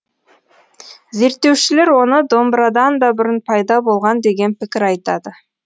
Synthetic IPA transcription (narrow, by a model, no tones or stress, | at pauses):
ze̞ɾt̪ːe̞wʃɪle̞ɾwo̞nəd̪o̞mbɾɑd̪ɑnd̪ɑbʏɾɪnpʰɑjd̪ɑbo̞lˠʁɑnd̪e̞ɡʲe̞npɪkʲɪɾɑjt̪ɑ̰d̪ə